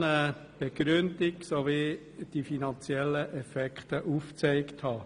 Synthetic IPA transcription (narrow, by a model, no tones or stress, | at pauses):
nəb̥eɡ̥ɾʏndiksoʋi | d̥ifinɑnt͡sjɛlːəʔɛfɛkχtəʔuft͡sɛɪkthɑː